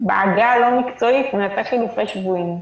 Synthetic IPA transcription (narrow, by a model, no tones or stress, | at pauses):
beʕaɡalomikt͡soitnataχilifaʃvuim